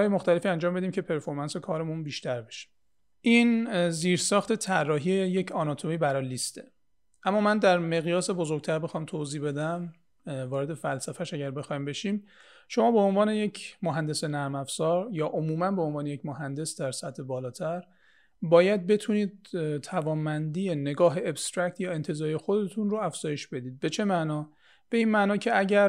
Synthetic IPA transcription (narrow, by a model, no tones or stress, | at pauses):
ɒːjemoxt̪ælefiænd͡ʒɒːmbe̞d̪iːmcʰe̞pʰe̞ɾfo̞ɾmænse̞kʰɒːɾe̞munbiːʃt̪ʰæɾbe̞ʃi̥ | ʔiːnziːɾsɒːxt̪ʰe̞t̪ʰærːɒːɦieje̞cʰɒːnɒːt̪ʰo̞miːbæɾɒːlist̪e | ʔæmːɒːmænd̪æɾme̞ɣjɒːse̞bo̞zoɾɟ̚t̪ʰæɾbe̞xɒːmt̪ʰoziːbe̞d̪æm | vɒːɾe̞d̪e̞fælsæfæʃæɟæɾbe̞xɒːimbe̞ʃiːm | ʃo̞mɒːbeonvɒːne̞jecʰmoɦænd̪e̞se̞næɾmæfsɒːɾjɒːʔomuːmænbe̞onvɒːne̞jecmoɦænd̪e̞sd̪æɾsæt̪ʰːe̞bɒːlɒːt̪ʰæɾ | bɒːjæd̪̚be̞t̪ʰuniːd̪̥̚t̪ʰævɒːnbænd̪ijene̞ɡɒːɦeːbst̪ɾæct̪ʰjɒːe̞nt̪ʰe̞zɒːɾijexod̪et̪ʰunɾoæfz̥ɒːje̞ʃb̥e̞d̪iːd̪̚be̞t͡ʃʰe̞mænɒː | b̥e̞iːnmænɒːcʰe̞æɟæɾ